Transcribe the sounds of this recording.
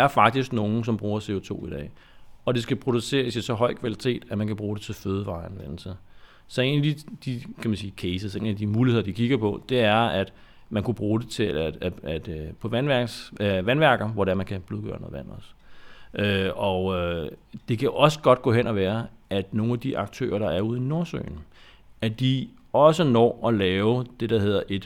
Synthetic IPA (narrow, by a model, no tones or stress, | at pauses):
æɐfɑ̈ɡ̥̚d̥isɡ̥no̝ːn̩s̬ɒ̽mb̥ʁuːɐse̝o̝t͡sʰo̝̰ːid̥ɛ̰ː | ɒ̽d̥e̝sɡ̥æpʰʁo̝d̥use̝̰ːɐsi̥sɒ̽ɦɒɪ̰kʰʋælit͡sʰe̝̰ːd̥æmænkʰæb̥ʁuːɾ̥e̝t͡sʰe̝føːð̞ˠəʋɑ̈ːænʋen̰l̩sə | sɒ̽e̝̰ːnædid̥ikʰæmænsiːkʰesəse̝̰ːnæd̥imuːliheðˠɐdikʰiɡ̥ɐpʰɒ̽d̥e̝æɐæd̥ | mænkub̥ʁuːd̥e̝t͡sʰe̝̥æd̥pʰɒ̽ʋænʋæɐɡ̥sʋænʋæɐɡ̥ð̩ˠʋɒɾeæɐmænkʰæb̥luðˠɡ̥ɶːɐno̰ːðˠʋæn̰ɒsʔøɒød̥e̝kʰæʔɒ̽sə̥ɡ̥ɒ̽d̥ɡ̥ɔ̰ːhen̰ʔɒʋæːɐæd̥no̝ːn̩æd̥iʔɑ̈ɡ̥̚t͡sʰø̰ːɐɾ̥ɑ̈æɐuð̞̰ˠino̝ɐsø̰ːn̩ | æd̥i | ɒ̽sənɒ̰ːɒ̽lɛːʊd̥e̝ɾ̥ɑ̈he̝ð̞̰ˠɐʔe̝d̥